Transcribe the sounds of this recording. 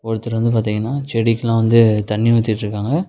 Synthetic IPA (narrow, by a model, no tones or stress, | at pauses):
ɔɽɯt̪ːɯɾɐʋɐnd̪ɯp̬aːɾt̪iːŋɡɐnːaːt͡ʃɛɽɪkːɐlãːʋɐnd̪ɯt̪ɐɳːɪʋɐt̪ːɪʈːɾɯkːaːŋɡɐ